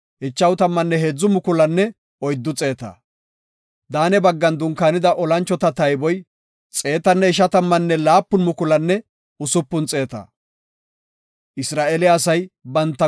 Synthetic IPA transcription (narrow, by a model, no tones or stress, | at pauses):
hɛt͡ʃːɐwt̪ɐmːɐnːɛɦed͡zːʊmʊkʊlɐnːɛ | ɔjd̪ːʊt͡sʼe̞ːt̪ɐ̰ | d̪aːnɛbɐɡːɐnd̪ʊŋkaːnɪd̪ɐʔɔlɐnt͡ʃːɔt̪ɐt̪ɐjbɔj | t͡sʼe̞ːt̪ɐnːɛɪʃ̬ɐt̪ɐmːɐnːɛlaːpːʊnmʊkʊlɐnːɛ | ʊsʊpːʊnt͡sʼe̞ːt̪ɐ̰ | ʔɪsɾaːʔɛlɪːsɐjbɐnt̪ːɐ